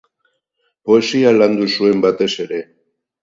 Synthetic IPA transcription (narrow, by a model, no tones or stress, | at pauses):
po̞e̞sialand̪usue̞mbat̪e̞se̞ɾe̞